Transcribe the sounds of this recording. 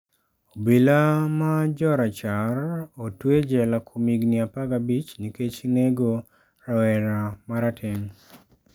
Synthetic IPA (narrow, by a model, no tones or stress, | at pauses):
obilamad͡ʒɔɾat͡ʃarotwed͡ʒɛlakʰumiɡnɪapaɡabit͡ʃniket͡ʃneɡo | rawɛɾamaɾatʰɛŋ